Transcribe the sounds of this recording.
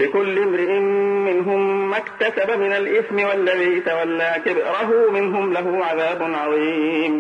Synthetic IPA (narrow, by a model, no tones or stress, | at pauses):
lɪkʊlːɪmɾɪʔɪmmɪnɦʊmːakt̪asabamɪnalʔɪθmɪwalːabiːt̪awalːakɪbʔɾɑɦʊmɪnɦʊmlaɦʊʕaðaːbʊnʕɑðˤiːm